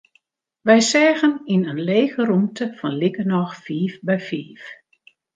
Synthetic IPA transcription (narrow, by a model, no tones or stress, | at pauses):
ʋɛjsɛːɣəninənleːɣəɾumtəfɔnlikənɔxfiːfbɛjfiːf